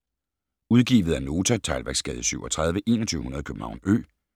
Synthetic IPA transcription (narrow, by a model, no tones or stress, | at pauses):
uð̞ˠɡ̥ḭːʋð̞̩ˠæɐno̝ːt͡sʰæt͡sʰɑɪlʋæɐɡ̥sɡ̥ɛ̰ːð̞̩ˠsyʊɒt͡sʰʁɑ̈ð̞ˠʋəʔe̝ːnɒt͡sʰyːʊhunɐð̞ˠkʰøb̥m̩hɑ̈ʊ̰nø̰ː